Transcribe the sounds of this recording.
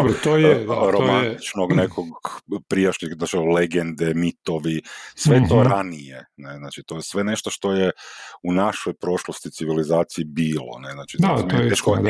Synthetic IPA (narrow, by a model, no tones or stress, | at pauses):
obɾot̪ojeɾomant̪it͡ʃnoɡnekʰoɡpɾijaʃnixat͡ʃileɡend̪emit̪o̞ʋisʋet̪o̞ɾanijeneznaːt͡ʃit̪o̞jesʋe̞ne̞ʃt̪oʃt̪o̞jeunaʃojpɾo̞ʃlost̪it̪iʋilizaːt̪siibiːlo̰neznat͡ʃiameʃko